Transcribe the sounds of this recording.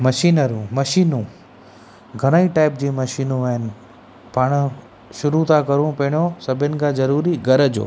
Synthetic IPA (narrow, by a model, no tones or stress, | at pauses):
mɐʃiːnəɾũmɐʃiːnũ | ɡʱɐñaiʈaːɪp̚d͡ʑiːmɐʃiːnũʋaɦɪnɪ̆ | paːɽ̃ʊ̆ | ʃʊɾut̪ʰakɐɾũpɐɪɽ̃ijosɐbʱɪnɪ̆kʰãzɐɾuːɾiɡʱɐɾd͡ʑo̰ː